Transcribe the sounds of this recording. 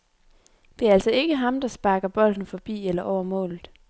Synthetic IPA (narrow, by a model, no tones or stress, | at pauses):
d̥e̝æɐæl̰sɒ̽e̝ɡ̥əɦɑ̈md̥ɑ̈sb̥ɑ̈ːɡ̥ɐb̥ɒ̽l̰d̥n̩fɒ̽b̥ḭːelɐʔɒʊ̰ɐmɔ̰̽ːlð̩ˠ